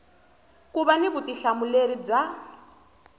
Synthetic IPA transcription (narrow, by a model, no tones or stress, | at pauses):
kuβaniβutiɬamuleɾib͡ʐa